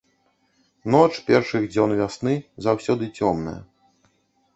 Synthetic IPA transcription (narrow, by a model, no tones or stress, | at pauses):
nɔt͡ʂpʲɛrʂɨɣd͡zʲɔnvʲasnɨzawsʲɔd̪ɨt͡sʲɔmnɐ̰jɐ̰